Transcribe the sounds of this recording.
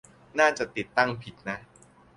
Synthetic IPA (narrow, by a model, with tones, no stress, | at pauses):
naː˥˩t͡ɕa˨˩ʔt̪i˨˩t̪ːa˥˩ŋpʰi˨˩t̪̚na˦˥